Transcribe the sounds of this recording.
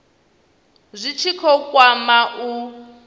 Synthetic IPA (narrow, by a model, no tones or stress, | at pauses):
zʷit͡ʃʰikʰɔkwamaʔu